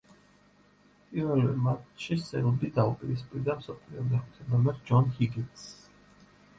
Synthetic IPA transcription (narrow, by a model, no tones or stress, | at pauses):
pʼiɾvɛlɛmat̪ʃisɛ̰ld̪id̪aupʼiɾispʼiɾd̪amsɔpʰliɔd̪ɛχt̪ʰɛnamɛɾd͡ʒɔnhiɡins